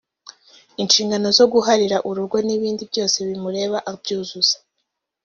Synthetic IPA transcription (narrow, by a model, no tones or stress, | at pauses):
inʃiːŋɡano̞zo̞ɡuɦaɾiɾaʔuɾuɾɡo̞niβiːndibɟo̞ːse̞βimuɾe̞ːβaʔabjuːzuz̥ḁ